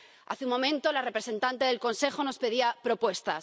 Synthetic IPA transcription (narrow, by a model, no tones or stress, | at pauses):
a̰θeumːõ̞mẽ̞nt̪olare̞pɾe̞sẽ̞nt̪ant̪e̞ð̞e̞lko̞nse̞xo̞no̞spe̞ðiapɾo̞pwe̞st̪a̰